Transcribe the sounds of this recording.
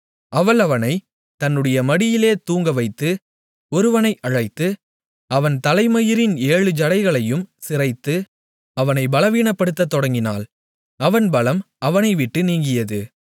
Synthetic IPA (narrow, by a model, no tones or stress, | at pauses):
ʔɐʋɐlɐʋɐnɐɪ | t̪ɐnːɯɽɐjɐmɐɽɪjɪleːt̪uːŋɡɐʋɐɪt̪ːɯ | ɔɾɯʋɐnɐɪʔɐɻɐɪt̪ːɯ | ɐʋɐnt̪ɐlɐɪmɐjɪɾɪneːɻɯd͡ʒɐɽɐɪɣɐɭɐjɯmsɪrɐɪt̪ːɯ | ɐʋɐnɐɪbɐlɐʋiːɳɐpːɐɽɯt̪ːɐt̪ːɔɽɐŋɡɪna̰ːl | ɐʋɐnbɐlɐm | ɐʋɐnɐɪʋɪʈːɯniːŋɡɪjɐðɯ